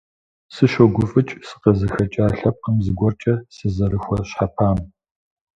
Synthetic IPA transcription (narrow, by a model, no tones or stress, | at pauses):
sɨʃɐɡʷʊfʼɨt͡ʃʼsɨ̥qɐzɨxɐt͡ʃʼaːɬɐp̚qəmzɨɡʷɔrt͡ʃʼɐsɨzɐɾɨxʷɔɕħapʰaːm